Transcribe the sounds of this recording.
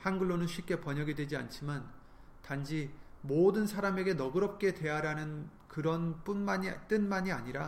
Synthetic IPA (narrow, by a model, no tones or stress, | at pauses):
hanɡɯɭːonɯnɕʰɥip̚k͈e̞pʌɲʌɡidwe̞d͡ʑia̰nt͡ɕʰiman | tand͡ʑimodɯnsʰaɾameɡe̞nʌɡɯɾʌp̚k͈e̞dwe̞jaɾanɯn | kɯɾʌnp͈unat͈ɯnmaɲiaɲiɾa